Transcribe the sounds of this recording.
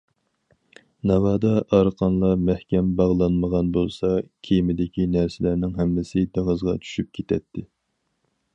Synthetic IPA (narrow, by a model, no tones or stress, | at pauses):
nɑvɑːd̪ɑʔɑɾqʰɑnlˠɑmɛhkʲɛmbɑʁlˠɑnməʁɑnbolˠsɑkʲʰejmɪd̪ɪkʲinæɾsɪlæɾnɪŋɦɛmːɪsɪd̪eŋəzʁɑ̰t͡ʃʰy̥ʃyp̚kʲʰet̪ʰɛt̪ʰːɪ